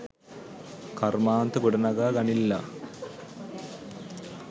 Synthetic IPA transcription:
kɐrmaːnt̪ɐkuɽɐnɐɡaːɡɐɳilːɐ

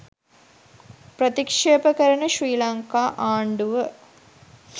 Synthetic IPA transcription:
prɐt̪ikʂeːbɐkɐɾɐɳɐʃriːlaŋkaʔaːɳɖuʋɐ

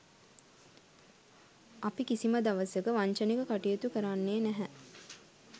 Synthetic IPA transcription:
apikisimɐd̪ɐʋɐsəkəʋaɲt͡ʃənekəkaʈijet̪ukəɾanːeːnæɦɛ

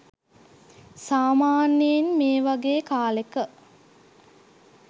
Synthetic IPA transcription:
saːmaːnjenmeːʋaɡeːkaːlekə

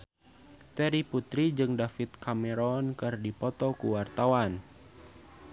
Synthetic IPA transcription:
t̪ɛɾiput̪ɾid͡ʒɨŋdafit̪̚kamɛɾɔnkɨrdipɔt̪ɔkuwart̪awan

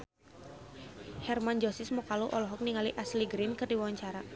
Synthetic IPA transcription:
hɛrmand͡ʒosɪsmɔkaluʔɔlɔɦɔk̚niŋaliʔasliɡɾɪnkɨrdiwawaɲt͡ʃaɾa

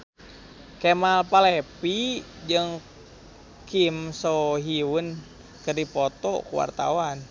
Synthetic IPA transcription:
kemalpalepi | d͡ʒɨŋ | kimsoɦiun | kɨrdipɔt̪ɔ̰kuwa̰rt̪a̰wan

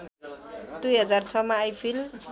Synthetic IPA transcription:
d̪ujɦʌd͡zarsʰʌmaːjpʰil

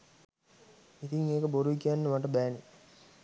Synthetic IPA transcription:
it̪iŋeːkəboɾuʋikːanːəmɐʈːɐbæːni

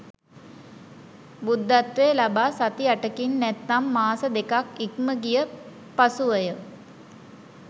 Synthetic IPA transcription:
bud̪ːat̪ʋeːlabaːsat̪iaʈəkinːɛt̪ːamːaːsəd̪ekakik̚məɡijə | pasuʋəjə

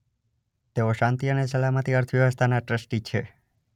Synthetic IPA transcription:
t̪eoʃãnt̪iənes̬əlamət̪iəɾt̪ʰəʋjəʋəst̪ʰanaʈɾəsʈit͡ʃʰe

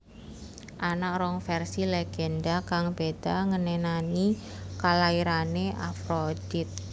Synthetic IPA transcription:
ʔanak̚rɔŋfɛrsileɡ̥ɛndakaŋb̥ed̪̥aŋənɛnanikalaiɾaneʔa̰fɾod̥it̪̚

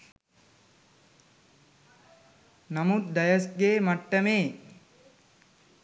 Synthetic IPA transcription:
nɐmut̪̚d̪ɐjɐsɡeːmaʈːɐmeː

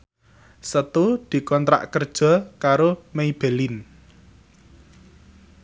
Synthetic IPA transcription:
sət̪ud̪̥i̤kɔnt̪ɾa̰ʔkərd̥ʒ̥ɔ̤kaɾomeib̥e̤lɪn

